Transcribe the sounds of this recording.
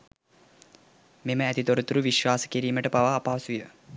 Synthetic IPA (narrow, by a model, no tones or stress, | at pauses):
meməæt̪it̪oɾut̪uɾuʋiʃʋaːsə̥kiɾiːməʈəpaʋaːpaːsujə